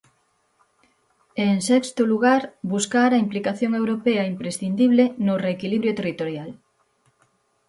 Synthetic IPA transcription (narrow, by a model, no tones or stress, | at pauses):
eŋsɛkst̪ʊluɣaɾbuskaɾɐimplikaθjoŋewɾopeɐimpɾesθind̪iβlenʊreːkiliβɾjot̪erit̪oɾjal